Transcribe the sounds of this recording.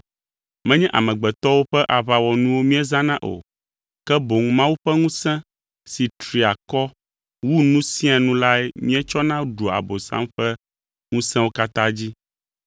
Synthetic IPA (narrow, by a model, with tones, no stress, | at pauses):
mɛ̃˦ɲɛ̃˦ʔa̰˨mɛ̃˨ɡ͡bɛ˨t̪ɔ˦wo˦ɸɛ˦ʔa˨βa˨wɔ˨nũ˦wo˦mĩ˦ɛ˦zã˦nã˦ʔo̰˨ | kɛ˦bo˨ŋ˦mã˦wu˦ɸɛ˦ŋũ˦sɛ̃˦ | si˨t̪ɾi˨a˨kɔ˦ | wu˦nũ˦sĩ˦a˨nũ˦la˦ɛ˦mĩ˦ɛ˦t͡ʃɔ˦nã˦wɖo˨a̰˨bo˨sã̰˦mɸɛ˦ | ŋũ˦sɛ̃˦wo˦ka˦t̪ã˦d͡ʑi˦